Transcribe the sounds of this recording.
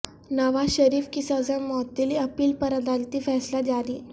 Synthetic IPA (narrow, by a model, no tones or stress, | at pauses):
nəʋaɕəɾiːfkisad͡zəɳmɔt̪ːiliəpiːlpəɾad̪alt̪iːfɛslad͡ʑaɾiː